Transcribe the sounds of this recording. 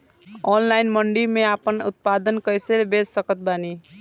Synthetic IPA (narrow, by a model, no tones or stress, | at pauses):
onlajnmʌɳɖimeapənṵt̪̚pad̪ənkʌjseɾbed͡zsʌkʌt̪̚bani